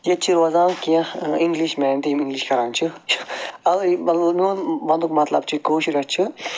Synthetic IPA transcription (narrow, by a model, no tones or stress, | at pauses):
jɐt͡ʃʰiɾɐzãːnkiɐ̃iŋɡliʃmɛːnt̪iimiŋɡliʃkɐɾaːnt͡ʃʰit͡ʃʰiɐlmɐlnuːnmɐnd̪ukmɐt̪lɐ̰b̚t͡ʃʰikoːʃʰiɾɐt͡ʃʰi